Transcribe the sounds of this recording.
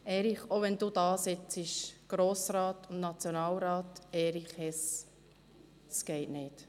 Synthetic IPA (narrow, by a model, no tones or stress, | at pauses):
ɛːɾiχoʋɛnd̥ud̥ɑːsɪt͡sɪʃɡ̥ɾoːsɾɑːtʊnnɑt͡sjonɑːlɾɑːtɛːɾiχhɛs | sɡ̥ɛɪtnɪt